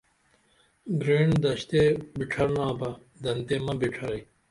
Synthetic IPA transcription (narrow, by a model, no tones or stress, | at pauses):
ɡɾeːɳd̪ɐɕt̪eːbiʈʰɐɾnãːbɐ | d̪ɐnt̪eːmɐ̃biʈʰɐɾɐi